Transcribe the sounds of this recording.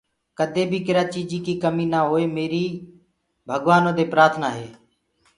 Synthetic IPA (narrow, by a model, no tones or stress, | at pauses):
kəd̪ʱeːbʱiːkɪɾaːt͡ʃiːd͡ʒiːkiːkəmĩːnaːɦoːeːmeːɾiː | bʱəɡʋaːnõːd̪eːpɾaːt̪ʰnaːɦeː